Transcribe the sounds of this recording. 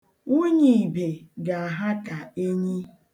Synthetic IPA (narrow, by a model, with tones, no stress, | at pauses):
u˦ɲi˨be˨ɡa˨a˨ɦa˦ta˨e˦ɲi˦